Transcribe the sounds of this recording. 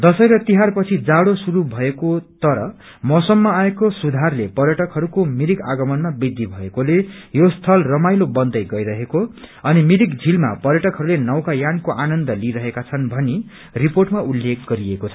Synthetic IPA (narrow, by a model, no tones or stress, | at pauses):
d̪ʌsʌjɾʌt̪iɦarpʌt͡sʰid͡zaɽosuɾubʱʌekot̪ʌɾʌ̰ | mʌsʌmːʌaekosud̪ʱarlepʌrjʌʈʌkɦʌɾukomiɾika̰ɡʌmʌnmabid̪ʱːibʱʌekolejost̪ʰʌlrʌmajlobʌnd̪ʌjɡʌjɾʌɦekoʌnimiɾikd͡zʱilma̰pʌɾjʌʈʌkɦʌɾulenʌwkajankoʔanʌnd̪ʌliɾʌɦekat͡sʰʌnbʱʌni | riporʈmaulːekʰɡʌɾiekot͡sʰʌ̥